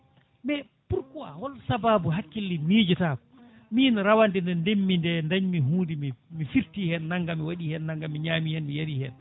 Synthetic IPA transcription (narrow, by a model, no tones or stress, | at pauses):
mɛ | puɾkɔa̰hɔlsababuɦakːilːimiːd͡ʒɛtaːkɔ | miːnɾawandɛndɛndemːindɛndaɲmiɦuːdimimifiɾtihɛnːaŋɡamiwaɗihɛnːaŋɡamiɲaːmihɛnmijaɾihɛn